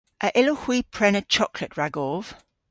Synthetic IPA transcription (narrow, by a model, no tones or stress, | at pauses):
ʔəʔɪlohwiːpʰɹ̥ɛnət͡ʃʰɒkʰləʔɹaɡɔlˠv̥